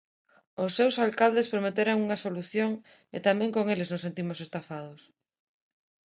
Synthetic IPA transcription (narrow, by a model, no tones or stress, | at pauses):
ʊsːewsalkald̪espɾomet̪eɾaŋuŋɐsoluθjoŋ | ḛt̪amɛ̃ŋkoŋeleznosent̪imʊsest̪afað̞ʊs